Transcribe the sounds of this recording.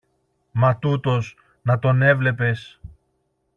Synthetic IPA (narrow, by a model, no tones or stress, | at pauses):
mɐt̪ut̪o̞s | nɐt̪o̞ne̞vle̞pe̞s